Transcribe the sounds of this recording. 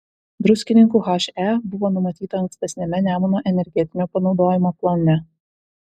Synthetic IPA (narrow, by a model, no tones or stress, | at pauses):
d̪ɾʊsʲkʲɪnʲɪŋkuːxɐʃʲɛbʊʋoːnʊmɐt̪ʲiːt̪ɐːŋksʲt̪ʲɛsʲnʲɛmʲɛnʲæːmʊnoːʔɛnʲɛɾʲɡʲɛt̪ʲɪnʲoːpɐnɒʊd̪oːjɪmoːplˠoːnʲɛ